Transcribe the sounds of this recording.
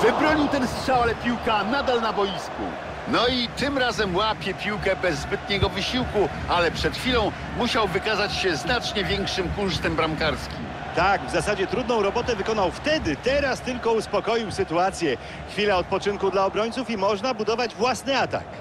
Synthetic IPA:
vɘbɾɔɲiwt̪ɛnsʂawalɛpʲiwkanad̪alnabɔjiskṵ | nɔit̪ɘmɾazɛmwapʲjɛpʲiwkɛbɛzːbɘt̪̚ɲɛɡɔvɘɕiwku | alɛpʂɛt̪xʲfʲilɔ̃w̃ | muɕawvɘkazat͡ɕɕɛznat͡ʂɲɛvʲjɛŋkʂɘmkuʂt̪ɛmbɾamkaɾskʲim | t̪aɡvzasad͡ʑɛt̪ɾud̪nɔ̃w̃ɾɔbɔt̪ɛvɘkɔnawft̪ɛd̪ɘt̪ɛɾast̪ɘlkɔuspɔkɔjiwsɘt̪uat̪sʲjɛ | xfʲilaɔt̪̚pɔt͡ʂɘnkud̪laɔbɾɔɲʲt̪sufimɔʐnabud̪ɔvad͡ʑvwasnɘat̪a̰k

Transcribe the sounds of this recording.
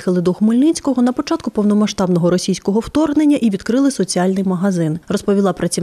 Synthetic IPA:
xɪlˠɪd̪uxmʊlʲnɪt͡sʲkɔɦɔnɐpɔt͡ʃɑt̪kʊpɔwnɔmɐʃt̪ɑbnɔɦɔɾɔsʲijsʲkɔɦɔwt̪ɔrɦnenʲːɐʔiʋʲid̪kɾɪlˠɪsɔt͡sʲialʲnɪjmɐɦɐzɪnrɔspɔʋʲilˠɑpɾɐt͡sʲi

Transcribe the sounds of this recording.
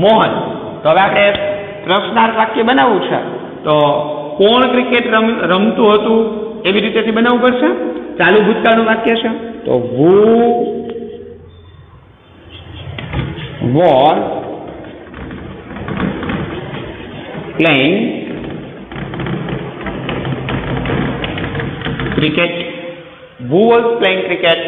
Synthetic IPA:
mɔɦən | t̪oɦəʋeapɽe | pɾəsnaɾʋakjebənaʋũt͡ʃʰḛ | t̪okoɳkɾikeʈɾəmɾəmt̪ũɦət̪ũeʋiɾit̪et̪ʰibənaʋũpəɾt͡ʃʰet͡ʃalũbʱut̪kanũʋakjet͡ʃʰet̪o̰ʋu | ʋɔɾ | pleŋɡ | kɾikeʈ | ʋuʋɔspleŋkɾikeʈ

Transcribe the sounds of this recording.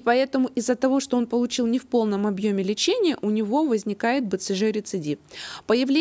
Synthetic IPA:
pɐɛt̪əmʊʔɪzːət̪ɐvo̞ʂt̪o̞o̞npəlˠʊt͡ɕilˠnʲɪfpo̞lˠnəmɐbjo̞mʲɪlʲɪt͡ɕenʲɪjəʔʊnʲɪvo̞vəzʲnʲɪkajɪt̪̚bɨt̪sɨʐɨɾʲɪt̪sɨdʲipəjɪvlʲe

